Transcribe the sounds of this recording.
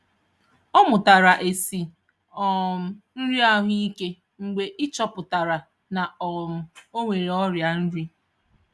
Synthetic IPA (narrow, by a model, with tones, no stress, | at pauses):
ɔ˦mʊ˨ta˨ɾa˨ʔe˨si˨ | ɔ˨m̩˨n̩˦ɾi˦a˦ɦʊ˦i˦ke˦ | ŋ͡m̩˨ɡ͡be˨ʔɪ˦t͡ʃɔ˦pʊ˨ta˨ɾa˨ | na˨ɔ˨mʊ˨o˦ŋʷe˨ɾe˨ɔ˦ɾja˨n̩˦ɾi˦